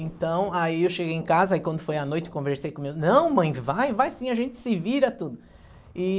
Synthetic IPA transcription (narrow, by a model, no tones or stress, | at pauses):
ẽnt̪ɐ̃w̃aiewʃeɡejẽkazɐaikwɐ̃nd̪ʊfojɐnojt͡ʃɪ̥kõveɾsejkõmiɡʊnɐ̃w̃mɐ̃j̃vajvajsĩɐʒẽnt͡ʃɪ̥sɪviɾɐt̪ud̪ʊ | ɪ